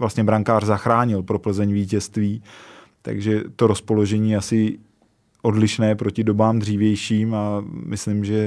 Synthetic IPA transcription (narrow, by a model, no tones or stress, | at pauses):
vlast̪ɲɛbɾaŋkaːrzaxɾaːɲɪlpɾo̞pl̩zɛɲviːcɛst̪viː | t̪a̰ɡʒɛt̪o̞ɾo̞spo̞lo̞ʒɛɲiːasɪ | ʔo̞dlɪʃnɛːpɾo̞cɪdo̞baːmd̪riːvjɛjʃiːmamɪslɪmʒɛ